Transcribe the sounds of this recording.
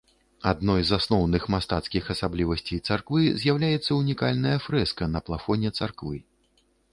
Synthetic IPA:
ad̪nɔjzasnɔwnɨxmast̪at̪skʲixɐsablʲivɐsʲt͡sʲejt̪sarkvɨzʲjawlʲajɛt̪sːɐunʲikalʲnɐjɐfɾɛskɐnɐplˠafɔnʲɛt̪sarkvɨ

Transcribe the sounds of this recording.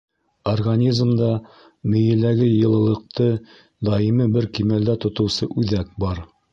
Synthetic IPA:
orɡanʲizmd̪ɑ | mɵ̆jɘ̆læɡɘjɤ̆lˠɤ̆lˠɤ̆q̚t̪ɤ | d̪ɑimɘbɘɾkimæld̪æt̪ŏt̪ɤ̆wsɤʔʉðæk̚bɑɾ

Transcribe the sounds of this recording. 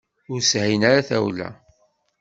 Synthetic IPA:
ʊɾshæjnaɾaθæ̰wlæ̰

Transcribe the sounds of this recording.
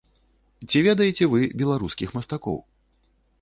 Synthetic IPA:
t͡sʲivʲɛd̪ɐjɛt͡sʲɛvɨbʲɛlˠaɾuskʲixmɐst̪akɔ̰w

